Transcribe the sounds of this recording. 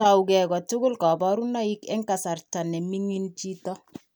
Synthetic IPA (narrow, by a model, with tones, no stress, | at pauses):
a˨ukɛ˨kɔ˨tʊ˦kʊ˦lkɔ˨bɔ˦ɾu˦nɔ˦i˦kɛ˦ŋka˨sa˨rta˨nɛ˨mi˦ŋi˦nt͡ʃi˦tɔ˦